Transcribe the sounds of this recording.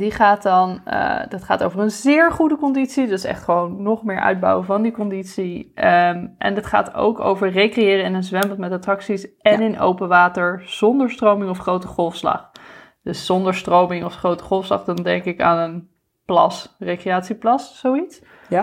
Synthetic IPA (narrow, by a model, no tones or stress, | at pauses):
diχaːtɑnə̰dɑtχa̰ːtowvəɹənzɪːɹχudəkɔnditsidɵɪsɛ̰χtχəʋownːɔχmɪːɹʔœ̰ɥd̚bɑ̰wəvɑndikɔnditsi | ʔɛ̰ndətχa̰ːto̰wko̰wvəɹrejkrejɪːɾəɪnənzʋɛmbəlnˠtmɛtatrɑksisɛnɪnʔo̰wpənʋaːtəɹz̥ɔndəɹstrowmɪŋɔfχrowtəχɔlˠfslɑ̰χ | d̥əsːɔndəɹstrowmɪŋɔfχrowtə̥χɔlˠfslɑ̰χdɑndɛŋkɪka̰ːnən | plɑ̰srejkrejaːtsiplɑsːowits